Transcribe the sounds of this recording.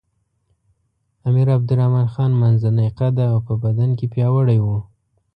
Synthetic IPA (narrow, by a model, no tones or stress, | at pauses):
amiɾab̚d̪ʊɾahmɑnxɑnmanzanajqad̪aːwpəbad̪ankepjɑwəɽajwu